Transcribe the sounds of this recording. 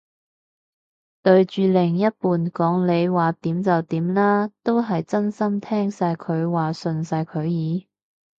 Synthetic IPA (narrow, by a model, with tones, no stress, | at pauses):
t̪ɵ˧ɥt͡ʃyː˨˧lɪ˨˩ŋjɐ˥t̚puː˨nkɔː˨˥ŋle˨˧jwaː˨˩t̪iː˨˥mt͡sɐ˨wt̪iː˨˥mlaː˥t̪o˥wɦɐ˨jt͡sɐ˥nsɐ˥mt̪ʰɛː˥ŋsaː˧jkʰɵ˨˧ɥwaː˨˩sɵ˨nsaː˧jkʰɵ˨˧ɥjiː˨˧